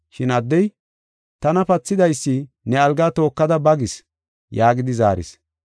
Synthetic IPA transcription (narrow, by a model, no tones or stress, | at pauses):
ʃɪnɐd̪ːɛj | t̪ɐnɐpɐt͡sːɪd̪ɐjsːi | nɛɐlɡat̪o̞ːkːɐd̪ɐbɐɡɪs | jaːɡɪd̪ɪzaːɾɪ̰s